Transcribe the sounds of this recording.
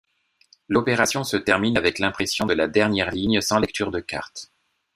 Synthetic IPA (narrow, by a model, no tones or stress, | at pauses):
lɔpeʁasjɔ̃sət̪ɛʁminavɛklɛ̃pχesjɔ̃d̪əlad̪ɛʁnjɛʁliɲsɑ̃lɛk̚t̪ʰyʁd̪əka̰ʁt̪